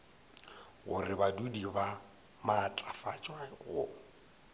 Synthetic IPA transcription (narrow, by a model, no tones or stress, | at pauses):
ɣʊ̰rɪbadudiba | mat͡ɬʼafat͡ʃʼwaɣʊ